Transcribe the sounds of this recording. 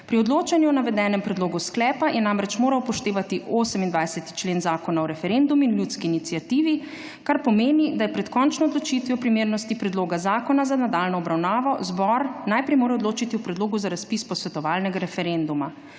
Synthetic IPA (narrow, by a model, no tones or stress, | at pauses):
pɾiɔd̪loːt͡ʃanjuɔnaʋɛd̪ɛːnɛmpɾɛd̪loːɡusklɛːpajʔɛnamɾɛt͡ʃmoːɾawpɔʃt̪eːʋat̪iʔoːsɛmind̪ʋajsɛt̪i̥t͡ʃleːnzaːkɔnaɔɾɛfɛɾend̪uminljuːt̪skiːnit̪sjat̪iːʋi | kaɾpɔmeːnid̪ajɛpɾɛt̪kɔnt͡ʃnɔɔd̪lɔt͡ʃiːt̪ʋiɔpɾimeːɾnɔst̪ipɾɛd̪loːɡazaːkɔnazanad̪alnɔɔbɾawnaːʋɔzbɔɾnajpɾɛjmoːɾɛɔd̪loːt͡ʃit̪iupɾɛd̪loːɡuzaɾaspiːspɔsʋɛt̪ɔʋaːlnɛɡaɾɛfɛɾɛnd̪uma